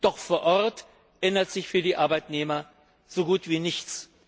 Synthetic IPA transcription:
d̥ɔχfoːɐʔɔʁt | ʔɛnɐtz̥ɪçfyːɐdiːʔaɐbaɪtneːmɐ | z̥oːɡuːtv̥iːnɪçt͡s

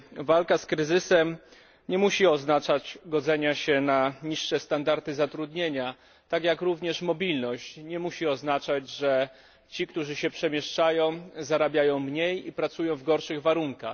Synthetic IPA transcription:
valkaskɾɘzɘsɛm | ɲɛmuɕiɔznat͡ʂat͡ɕɡɔd̪zɛɲaɕɛnaɲiʂːɛst̪and̪aɾt̪ɘzat̪ɾud̪ɲeɲa | t̪akjakɾuvɲɛʂmɔbʲilnɔɕt͡ɕɲɛmuɕiɔznat͡ʂad͡ʑʐɛ | t͡ɕikt̪uʐɘɕɛpʂɛmʲjɛʂt͡ʂajɔ̃w̃zaɾabʲjajɔ̃w̃mɲejipɾat̪sujɔ̃w̃vɡɔɾʂɘɣvaɾuŋka̰x

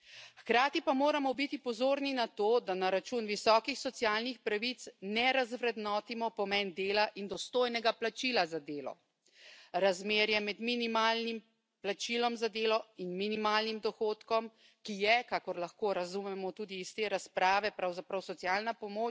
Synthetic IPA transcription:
xkɾaːt̪ipamoːɾamɔbit̪ipɔzoːɾninat̪oːd̪anaɾat͡ʃunʋisɔːkixsɔt̪sjaːlnixpɾaʋit̪snɛɾazʋɾɛd̪nɔːt̪imɔpɔmɛnd̪eːlaʔind̪ɔst̪oːjnɛɡaplat͡ʃilazad̪eːlɔ̰ | ɾazmeːɾjɛmɛd̪minimaːlnim | plat͡ʃilɔmzad̪eːlɔinminimaːlnimd̪ɔxoːt̪kɔm | kijɛkakɔɾlaxkoːɾazumɛmɔt̪ud̪iːst̪eɾaspɾaːʋɛpɾawzapɾawsɔt̪sijaːlnapɔmoː

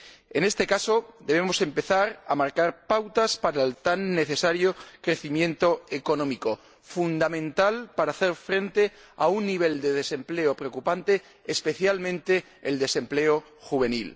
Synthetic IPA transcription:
e̞ne̞st̪e̞kaso̞d̪eβemo̞se̞mpe̞θaɾamaɾkaɾpawt̪aspaɾaelt̪anːe̞θe̞saɾjokɾe̞θimjẽ̞nt̪o̞eko̞nõ̞miko̞ | fund̪amẽ̞nt̪alpaɾaθeɾfɾe̞nt̪e | a̰unːiβ̞e̞ld̪e̞ð̞e̞se̞mple̞opɾeokupant̪e̞ː | spe̞θjalmẽnt̪e̞̰ː | ld̪e̞se̞mple̞o | xuβ̞e̞nil

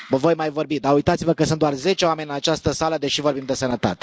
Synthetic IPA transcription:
vəvo̞jmajvo̞rbid̪aujt̪at̪sivəkəsɨnt̪d̪oarze̞t͡ʃeoame̞nʲɨnat͡ʃast̪əsaləd̪e̞ʃivo̞rbimd̪e̞sənət̪a̰t̪e̥

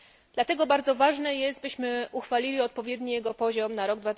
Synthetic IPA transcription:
d̪̥lat̪ɛɡɔbaɾd̪zɔvaʐnɛjɛst̪̚bɘɕmɘuxfalʲilʲiɔt̪̚pɔvʲjɛd̪ɲijɛɡɔpɔʑɔmnaɾɔɡ̚d̪vat̪

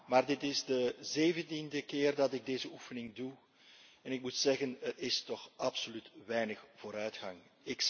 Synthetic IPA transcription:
maːrdɪtɪzdəzeːvəntindəkɪːrdɑtɪɡ̚deːzəufənɪŋdu | ɛnɪk̚mutsɛɣənətɪstɔxʔɑpsolytʋɛjnəxv̥oːɾœɥtxɑŋɪk

